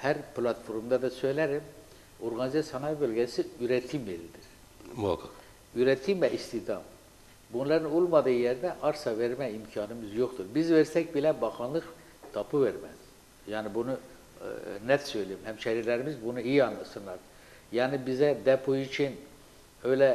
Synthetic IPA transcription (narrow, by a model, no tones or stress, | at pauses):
hæɾplʲˠat̪fo̞ɾumd̪ɑd̪ɑsø̞jlæɾim | oɾɡɑnizɛsjanɑjbølʲɡʲæsiyɾɛt̪ʰimvelid̪iɾ̥ | kʰ | yɾɛt̪ʰimvɛʔist̪id̪ɑm | bunlˠɑɾɯnulˠmɑd̪ɯːɯjɛɾd̪ɛʔɑɾsɑveɾmæimcʰɑːnɯmɯzjo̞χt̪ʰuɾbizveɾsɛc̚bilʲæbɑxɯnlˠɯq | t̪ʰɑpʰɯveɾmɛz̥ | jaːnibunu | nɛt̪sø̞jlʲijimhæmʃɛɾiɾlʲæɾimizbunuijiɑnlˠɑsɯnlˠɑɾ | jaːnibizɛd̪ɛpʰoit͡ʃʰin | ø̞jlʲɛ